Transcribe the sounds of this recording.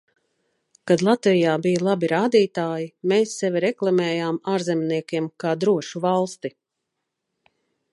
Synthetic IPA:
kad̪lˠat̪vijaːbijalˠabiɾaːd̪iːt̪aːjimeːsːɛviɾɛklˠamɛːjaːmaːɾzɛmniɛkʲiɛmkaːd̪ɾuɔʃuvalˠst̪i

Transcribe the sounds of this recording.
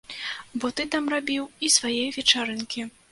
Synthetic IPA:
bɔt̪ɨt̪amrabʲiwisvajɛjvʲɛt͡ʂaɾɨnkʲi

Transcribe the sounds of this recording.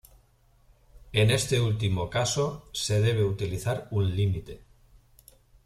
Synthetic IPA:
ene̞st̪e̞ult̪̬imo̞kasose̞ð̞e̞β̞e̞ut̪iliθaɾunlimit̪e̞

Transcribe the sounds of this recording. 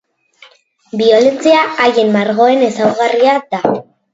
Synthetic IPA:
bio̞let͡siaːjemːaɾɣo̞e̞ne̞sawɣariad̪a

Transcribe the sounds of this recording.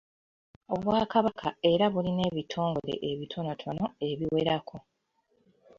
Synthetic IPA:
o̞βwaːkaβakʰae̞ɾaβuline̞βitʰo̞ːŋɡole̞̰ʔeβitʰo̞notʰo̞no̞e̞βiwe̞ɾakʰo̞

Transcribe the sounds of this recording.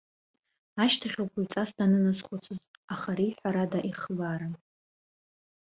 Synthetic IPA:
aʃtʰaχʲokʷʰaɥt͡sʼasdanɨnasχʷʊt͡sʰɨztʼaχaɾiħʷaɾadaʔiχbaɾa

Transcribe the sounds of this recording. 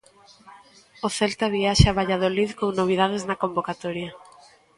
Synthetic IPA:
oθɛlt̪aβiaʃaβaʎað̞oliðkoŋnoβ̞ið̞að̞eznɐkombokat̪oɾjɐ

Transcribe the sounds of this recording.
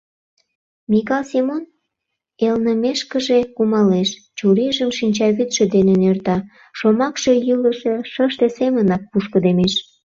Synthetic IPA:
mikɑlsimon | elnəmeʃkəʒekumɑleʃ | t͡ɕuɾiʒəmʃinʲt͡ɕɑβyt̪ʃĕd̪enenert̪ɑ | ʃomɑkʃe̽jɯləʃeʃəʃt̪esemənɑk̚puʃkə̆d̪emeʃ

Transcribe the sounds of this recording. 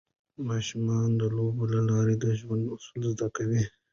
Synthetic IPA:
mɑːʃumɑnd̪əlobolalɑːɾed̪əʒwand̪ʊsulzd̪akawi

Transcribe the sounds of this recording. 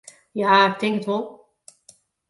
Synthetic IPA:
jaːɪk̚tɪŋkətʋolˠ

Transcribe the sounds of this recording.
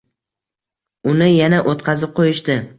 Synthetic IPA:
ʊnɪjanaʔot̪qʰɑzɪp̚qʰojɪʃt̪ɪ

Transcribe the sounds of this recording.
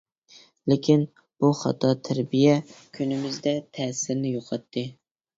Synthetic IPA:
lɪkʲin | b̥uχɑ̰t̪ʰɑt̪ʰæɾbijɛkʲʰynɪmɪzd̪ɛt̪ʰɛːsɪɾnɪjoqʰɑt̪ʰːɨ

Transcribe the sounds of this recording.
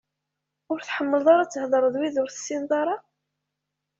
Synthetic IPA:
ʊɾθħəmːəlðˤɑɾˤat͡sːəhðˤəɾˤəðˤwiðʊɾθə̥sːind̪ˤɑɾˤɑ

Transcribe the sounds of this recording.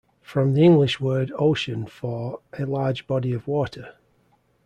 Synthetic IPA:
fɹə̃mðiɪ̃ŋɡlɪʃwɜːdoʊʃə̃nfəɹʔəlɑːd͡ʒbɒdiəvwɔˑtʰə

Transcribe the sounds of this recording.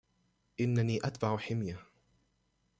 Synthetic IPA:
ʔɪnːaniːʔat̪baʕħɪmja

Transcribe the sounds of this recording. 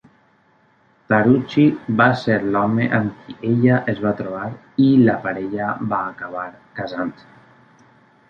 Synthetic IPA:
t̪aɾut͡ʃibaseɾlɔmeʔaŋkiʔeʎaʔezβat̪ɾoβ̞aɾ | ilapaɾeʎabaːkaβ̞aɾ | kazant̪

